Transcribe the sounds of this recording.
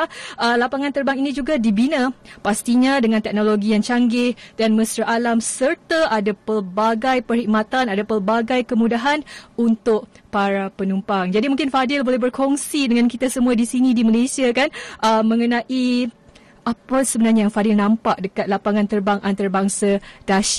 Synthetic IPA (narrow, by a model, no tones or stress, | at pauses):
əlapaŋãnt̪ərbaŋinĩd͡ʒuɡadibinãpast̪iɲadəŋãnt̪ɛk̚noloɡijaŋt͡ʃaŋɡɪhdanmə̃sɾaʔalamsərt̪aʔadapərbaɡajpərhik̚mat̪anadapərbaɡajkəmũdaɦanunt̪ʊʔ̚paɾapənumpaŋd͡ʒadimuŋkɪnfadɪlbolɛɦbərkʰoŋsidəŋankit̪asəmũadisinĩdiməlesiakanʔəmːə̃ŋənãʔi | ʔapasəbənarɲajaŋfadɪlnãmpaʔ̚dəkat̪̚lapaŋãnt̪ərbaŋʔant̪arbaŋsad̥aʃi̥